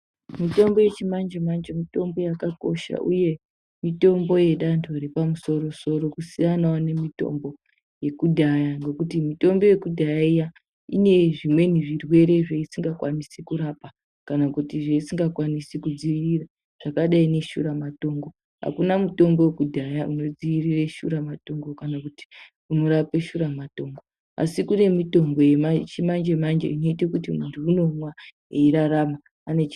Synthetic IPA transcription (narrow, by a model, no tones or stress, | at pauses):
mito̞mbo̞je̞t͡ʃimand͡ʒemand͡ʒomito̞mbo̞jakako̞ʃa̰ʔṵje̞ | mito̞mbo̞je̞ɗantʰoɾipamuso̞ɾo̞so̞ɾo̞kusijanwane̞mito̞̰mbo̞ | je̞kudʱajaŋɡe̞kutimito̞mbo̞je̞kudʱajaija | ine̞ʐimwe̞niʐirwe̞ɾe̞ʐeisiŋɡakwanisikuɾapa | kanakutiʐeisiŋɡakwanisikud͡ziʋirira | ʐ̥akaɗaine̞ʃṵɾamato̞ŋɡo | ɦa̰kunamuto̞mbo̞wekudʱajaʔuno̞d͡ziʋirireʃṵɾamato̞ŋɡo̞kanakuti̥ | unoɾape̞ʃuɾamato̞ːŋɡo | a̰sikune̞mito̞ŋbo̞jemat͡ʃimand͡ʒemand͡ʒḛino̞itekutimuntʰuːno̞mwa | eiɾaramaː | ne̞t͡ʃ